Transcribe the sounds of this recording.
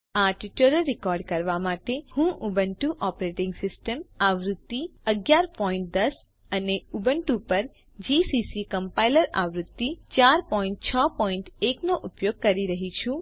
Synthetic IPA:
aʈiʈɾəɾːɪkɔɾɖkəɾʋamaʈehũʔubəɳʈuʔɔpɾeʈɪ̃ŋɡsɪsʈəmaʋɾʊt̪ːiəɡjaɾpɔĩɳʈ̚d̪əs | əneubəɳʈupəɾ | d͡ʒisisikəmpailəɾaʋɾʊt̪ːit͡ʃaɾpɔĩɳʈt͡ʃʰəpɔĩɳʈeknoʔupjoɡ̚kəɾiɾəɦit͡ʃʰũ

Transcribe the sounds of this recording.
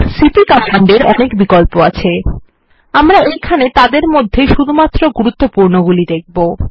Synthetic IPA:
siʈikamaɳɖeɾɔnekbikolpoat͡ɕʰe | amɾaejkʰanet̪ad̪eɾmod̪ʱːeʃud̪ʱumat̪ːɾoɡuɾut̪ːopuɾnoɡulid̪ek̚ʰbo

